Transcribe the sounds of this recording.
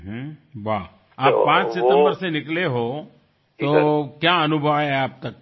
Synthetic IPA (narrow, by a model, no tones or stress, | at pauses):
ɦba | aːpːãːt͡ʃsɪt̪ə̃mbəɾsenɪkleɦo | t̪okjaənubʱəʋɦɛaːp̚t̪ɐkː